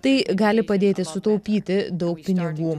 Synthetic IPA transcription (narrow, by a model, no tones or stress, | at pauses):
t̪ɐɪɡɑːlʲɪpɐd̪ʲeːt̪ʲɪsʊt̪ɐʊpʲiːt̪ʲɪd̪ɐʊk̚pʲɪnʲɪɡuː